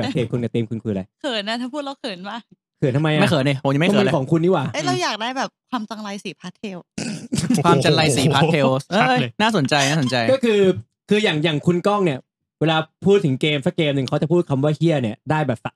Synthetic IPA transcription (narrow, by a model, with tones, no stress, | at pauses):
ɛː˨˩kʰeː˨˧˩kʰu˧nka˨˩t̪iː˧mkʰu˧nkʰuː˧la˧jkʰɤː˨˩˦nna˧˦˥t̪ʰaː˥˩pʰuː˥˩ɾa˧˦wkʰɤː˨˦nbaː˥˩ | kʰɯː˨˦nt̪ʰma˧jʔam˥˩jʰkʰːnʔi˧˩o˨˦jm˥˨kːmi˧˦˧kʰɔː˩˦ŋkʰu˧nːiː˦˥˩waː˨˩ə˦˥ɾa˧wjaː˨˩k̚daː˥˩jbɛː˨˩p̚kʰwaː˧mt͡ɕa˧ŋla˧jsiː˨˩˦pʰaː˦˥t̪ʰːeː˧w | kwaː˧mt͡ɕa˧ŋla˧jsiː˨˩˦pʰa˦˥tʰeː˧wʔəː˧naː˥˩so˩˦nt͡ɕa˧jnaː˥˩so˩˦t͡ɕa˧jkɔː˥˩kʰɯː˧ | kʰɯː˧jaː˨˩ŋjaː˨˩ŋkʰu˧nkɔː˥˩ŋni˥˩ɐ | weː˧laː˧pʰuː˥˩t̪ʰːɯ˩˦ŋkeː˧msa˦˥kːeː˧mnɯ˨ŋkʰa˦˥t͡ɕa˨˩pʰuː˥˩t̪̚kʰa˧mwaː˥˩kʰi˥˩ɐni˥˩ɐdaː˥˩jbɛː˨˩p̚sa˨˧˩